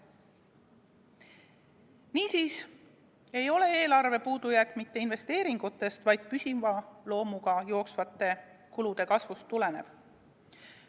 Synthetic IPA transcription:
niːsiːs | e̞jo̞le̞e̞ːlɑrve̞puːd̪̥ujækmit̪ːe̞inve̞st̪eːɾiŋɡ̥ut̪ːˑe̞st̪vɑjd̪̥̚pysʲimvɑlo̞ːmuɡ̥ɑjo̞ːksvɑt̪ːˑe̞ | kulud̪̥e̞kɑsvust̪ːule̞ne̞v̥

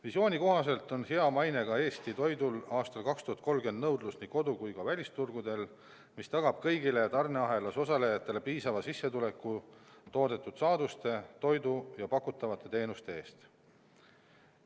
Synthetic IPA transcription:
visʲo̞ːnʲiko̞ɦɑse̞lt̪ːˑo̞nheɑmɑjne̞ɡɑe̞ːst̪it̪o̞jd̪ulɑːst̪ɑlkɑkst̪uhɑt̪ko̞lɡe̞nd̪nɤwd̪lusniko̞d̪ukujkɑvælʲist̪urɡ̥ud̪e̞l | mist̪ɑɡ̥ɑb̥kɤjɡile̞t̪ɑrneɑɦe̞lɑso̞sɑle̞jɑt̪ːˑe̞lepiːsɑvɑsisːe̞t̪ule̞kːut̪o̞ːd̪e̞t̪ːˑud̪̥sɑːd̪̥ust̪e̞t̪o̞jd̪ujɑpɑkːut̪ːˑɑvɑt̪ːˑe̞t̪e̞ːnust̪e̞e̞ːst̪

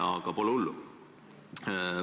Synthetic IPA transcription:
ɑɡ̥ɑpo̞lɛolːu

